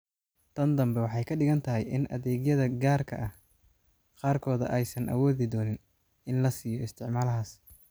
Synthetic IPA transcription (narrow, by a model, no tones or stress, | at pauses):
t̪ʰɐnd̪ɐmbɛwɑħɑjkʰɐɖɪɣɐnt̪ʰɐɦɛ̰jʔɪnʔɐ̰ðɛːɡjɐðɐɡaːrkʰɐ̰ʔɐh | qɑːrkʰɔːðɐ̰ʔɛjsɐnʔɐ̰wɔːðɪd̪ɔːnɪn | ɪnlɐsiːjɔɪst̪ʰɪʕmaːlɐɦaːs